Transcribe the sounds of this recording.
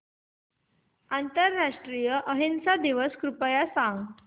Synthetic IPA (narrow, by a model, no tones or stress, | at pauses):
ant̪əɾːaʂʈɾijəʔəɦinsad̪iʋəskɾupəjasãŋɡ